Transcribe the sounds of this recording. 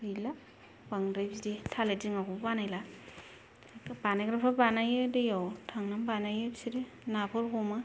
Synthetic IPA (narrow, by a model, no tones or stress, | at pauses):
ɯjla | baŋdajbziditʰaleziŋakubanajla | kbanajɡɾapʰabanajedejawtʰaŋnambanajebsiɾe | napʰɔɾɡɔma